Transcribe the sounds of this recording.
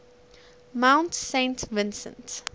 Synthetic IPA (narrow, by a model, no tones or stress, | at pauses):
mãʊ̃ntsẽɪ̃ntʰvɪ̃nsə̰̃nt